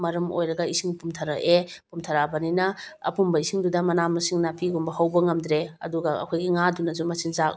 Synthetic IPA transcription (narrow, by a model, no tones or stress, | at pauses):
mɐɾɐmo̰jɾɐɡɐisiŋpumtʰɐɾaʔepumtʰaɾabɐninɐ̰ːpumbɐisiŋdudɐmɐnamɐsiŋnapiɡumbɐhawbɐŋɐmd̪ɾeɐ̰duɡɐɐ̰kʰojɡiŋadunɐzumɐsinzak